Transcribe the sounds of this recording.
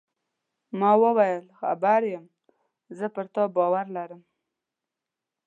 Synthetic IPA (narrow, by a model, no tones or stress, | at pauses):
mɑwəwajəlxa̰baɾjəm | zəpəɾt̪ɑbɑwaɾlaɾəm